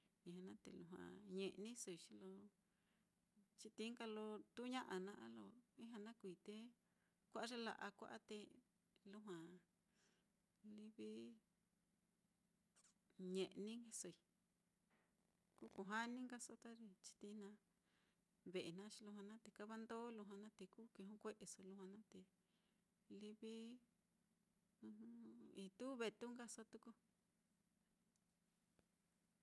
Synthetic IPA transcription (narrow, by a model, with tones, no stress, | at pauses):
ĩ˧˨ã˧nã˦t̪ḛ˨lu˧ɦã̰˨ɲẽ˧ʔnĩ˦so˧i˧t͡ʃi˧lo˧ | t͡ʃi˧t̪i˧˦ŋka˧lo˧t̪u˦ɲã˦ʔa˧nã˧˦ʔa˦lo˧ĩ˦ɦã˧nã˦kʷiː˨t̪e˦ | kʷa˦ʔa˦ʐe˦la̰˧ʔa˧kʷa̰˦ʔa˦t̪e˧ | lu˦ɦwã˨ | li˧βi˦ | ɲẽ˨ʔnĩ˦ŋɡe˧so˧i˨ | ku˦ku˧ɦa˦nĩ˦ŋɡa˦so˧˦t̪a˦ɾi˧t͡ʃi̥˧t̪i˧nã˧˦ | βe˨e˨nã˦t͡ʃi˧lu˧ɦã˧nã˦t̪e˨ka˦βa˦nd̪o˦lu˧ɦã˧nã˦t̪e˧ku˦ki˧ɦũ˦kʷe˦ʔe˧so˧lu˧hã˧nã˦t̪e˧ | li˧βi˦ | nũ˧ũ˦i˧t̪u˦βe˧t̪u˦ŋɡa˦so˦t̪u˦ku˧